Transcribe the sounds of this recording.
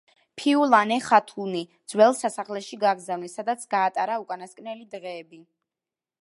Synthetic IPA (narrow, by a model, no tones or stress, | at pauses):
pʰiulˠanɛχat̪ʰulˠnid̪z̥wɛlˠsasaχlɛʃiɡaɡzavnisːad̪at̪sʰɡ̥aːt̪ʼaɾaukʼanaskʼnɛlid̪ʁɛːbi